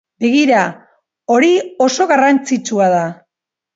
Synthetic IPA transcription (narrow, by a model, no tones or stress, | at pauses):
beɣiɾa | o̞ɾio̞so̞ɣarant͡sit͡suað̞a